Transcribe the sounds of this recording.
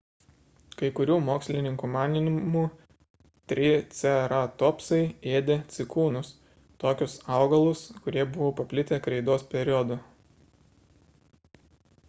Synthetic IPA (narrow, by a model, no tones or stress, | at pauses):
kɐɪkʊɾʲuːmoːksʲlʲɪnʲɪŋkuːmɑːnʲɪnʲɪmuː | t̪ʲɾʲɪt̪sʲɛɾɐt̪ɔːpsɐɪeːd̪ʲeːt̪sʲɪkuːnʊs | t̪oːkʲʊsɑˑʊɡɐlˠʊskʊɾʲiɛbʊʋoːpɐpʲlʲɪt̪ʲeːkɾʲɛɪd̪oːspʲɛɾʲɪɔd̪ʊ